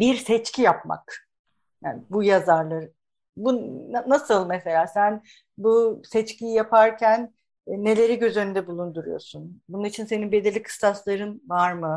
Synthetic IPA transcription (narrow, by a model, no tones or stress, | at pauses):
biɾsɛt͡ʃcʰijapma̰k | jaːnbujazaɾlˠaɾ | bunasɯlˠmese̞lʲaːsæn | busɛt͡ʃcijijapʰaɾcʰænː | e̞lʲe̞ɾiɟø̞zø̞nynd̪ɛbulˠund̪uɾujo̞̰sunbununit͡ʃʰinse̞ninbe̞d̪iɾlʲikʰɯ̥st̪aslˠaɾɯnvaɾmɯ